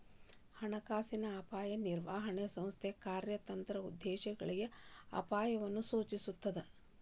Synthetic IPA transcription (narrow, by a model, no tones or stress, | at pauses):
hɐɳɐkaːsinɐːpaːjɐniɾʋaːɦɐɳesɐ̃mst̪ʰekaːɾjɐt̪ɐnt̪ɾɐud̪ːeːʃɐɡɐ̰ɭiɡeɐ̰paːjɐʋɐnːusuːt͡ʃisut̪ːɐd̪e